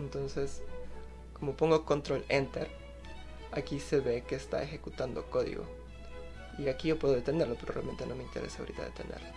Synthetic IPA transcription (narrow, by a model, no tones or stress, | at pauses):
ent̪o̞nse̞s | ko̞mo̞po̞ŋɡo̞ko̞nt̪ɾolent̪eɾ | akise̞βe̞ke̞ːst̪a̰e̞xe̞kut̪and̪oko̞ðḭɣo̞̰ | iakiʝo̞pwe̞ðo̞e̞t̪e̞ne̞ɾlo̞peɾorea̰lme̞nt̪e̞no̞me̞int̪e̞ɾe̞sa̰ɾḭt̪a̰ðḛt̪enḛɾlo